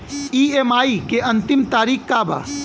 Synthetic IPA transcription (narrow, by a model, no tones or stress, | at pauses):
iːemaːikeɐ̃nt̪ɪmt̪aːɾiːxkaba̰ː